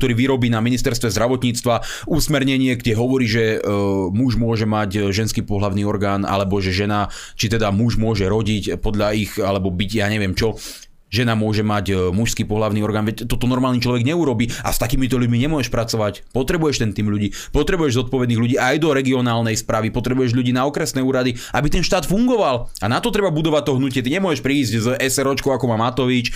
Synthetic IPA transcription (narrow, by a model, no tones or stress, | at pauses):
kt̪ɔɾiːʋiɾɔbiːnaminist̪ɛɾst̪ʋɛzd̪ɾaʋɔt̪ɲiːt͡st̪ʋa | usmɛɾɲɛɲɪɛɡɟɛɦɔʋɔɾiːʒɛmuʒmʊɔʒɛmaɟʒɛnskiːpɔɦlaʊniːɔɾɡaːna̰lɛbɔʒɛʒɛna | t͡ʃit̪ɛd̪amuʒmʊɔʒɛɾɔɟicpɔd̪ʎaixalɛbɔbiɟjaːɲɛʋɪɛmt͡ʃɔ | ʒɛnamʊɔʒɛmacmuʃskiːpɔɦlaʊniɔɾɡaːnʋɛct̪ɔt̪ɔnɔɾmaːlnit͡ʃlɔʋɛɡɲɛuɾɔbiːa̰st̪akiːmit̪ɔʎuɟmiɲɛmʊɔɛʃpɾat͡sɔʋacpɔt̪ɾɛbujɛʃt̪ɛnt̪iːmʎuɟiː | pɔt̪ɾɛbujɛʒzɔt̪̚pɔʋɛd̪niːɣʎuɟiːajd̪ɔɾɛɡiɔnaːlnɛjspɾaːʋipɔt̪ɾɛbujɛʒʎuɟiːnaɔkɾɛsnɛːuːɾad̪i | ʔabit̪ɛnʃt̪aːt̪fuŋɡɔʋalanat̪ɔt̪ɾɛbabud̪ɔʋat̚t̪ɔɦnucɪɛt̪iɲɛmʊɔʒɛʃpɾiːzɟzʔɛsɛɾɔt͡ʃkɔʊakɔmaːmat̪ɔʋit͡ʃ